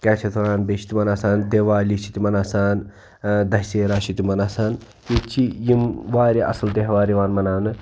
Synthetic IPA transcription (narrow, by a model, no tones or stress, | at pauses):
kɛːt͡ʃʰɐt̪ʰɾaːnbeʃʰi̥t̪imɐnaːsaːnd̪eːʋaːlit͡ʃʰit̪imɐnaːsaːn | d̪ɐɦiseːɾaːʃit̪imɐnaːsaːn | jit͡ʃʰijimʋaːɾiɐ̰sɐlt̪eɦʋaːɾiʋaːnmɐnaːnɨ